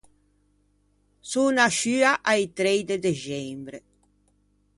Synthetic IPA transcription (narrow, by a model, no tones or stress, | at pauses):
sunaʃyːaʔajt̪ɾejd̪ed̪eʒɛmbɾe